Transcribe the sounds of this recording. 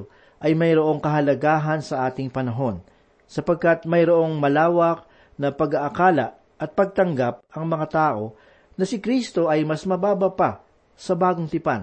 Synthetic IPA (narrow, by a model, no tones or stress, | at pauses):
ʔɐjmɐjɾo̞ʔo̞ŋkɐɦɐlɐɡaːɦɐnsɐʔaːt̪ɪŋpɐnɐɦo̞n | sɐpɐɡ̚kat̪̚mɐjɾoʔo̞ŋmɐlaːwɐk̚ | nɐpɐɡaʔɐkaːlɐ | ʔɐt̪̚pɐɡ̚t̪ɐŋɡap̚ɐŋmɐŋat̪aːʔo̞ | nɐsɪkɾist̪o̞ʔɐjmɐsmɐbaːbɐpa | sɐbaːɡoŋt̪ɪpan